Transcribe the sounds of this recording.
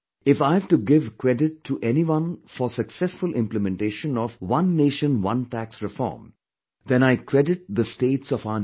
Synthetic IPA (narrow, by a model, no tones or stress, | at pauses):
ɪfaɪvʈuɡɪvkɾɛɖɪʈʰːuʔɛniʋʌ̃nfɔsəksɛsfʊlʔɪ̃mpləmɛ̃nʈeːʃə̃nɔvwʌ̃nːeːʃə̃nwʌ̃nʈæksɾɪfɔ̰ːɾm | d̪ɛ̃naɪkʰɾɛɖɪʈ̚d̪əsʈeːʈsɔfan